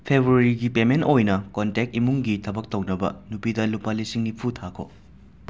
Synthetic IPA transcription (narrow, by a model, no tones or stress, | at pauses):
pʰebɾuɐɾiɡipementojnɐkontek̚t̚imuŋɡitʰɐbɐk̚townɐbɐ̰nupidɐlupalisiŋnipʰutʰakʰo̰